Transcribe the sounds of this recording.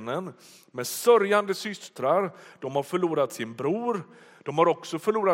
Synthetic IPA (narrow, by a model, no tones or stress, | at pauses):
nən | mɛd̪sœɾjand̪əsʏst̪ɾaɾd̪̥ɔmhaɾfœɭuːɾat̪sɪnbɾuːɾ | d̪̥ɔmhaɾɔksɔfœɭuːɾa